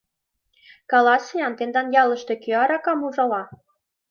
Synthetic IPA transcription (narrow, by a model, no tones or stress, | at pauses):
kɑlɑsejɑnt̪end̪ɑnjɑlə̆ʃt̪e̽køɑɾɑkɑmuʒɑlɑ